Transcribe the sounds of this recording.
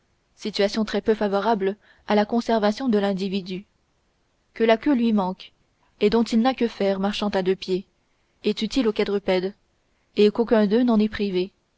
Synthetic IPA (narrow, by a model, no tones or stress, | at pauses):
sit̪ɥasjɔ̃t̪χɛpøfavɔʁabl | alakɔ̃sɛʁvasjɔ̃d̪əlɛ̃d̪ivid̪y | kəlakʲølɥimɑ̃k | ed̪ɔ̃t̪ilnakəfɛːʁmaʁʃɑ̃t̪ad̪øpje | ɛt̪yt̪ilokad̪ʁəpɛd̪ | ekokʲɛ̃d̪ønɑ̃nɛpχive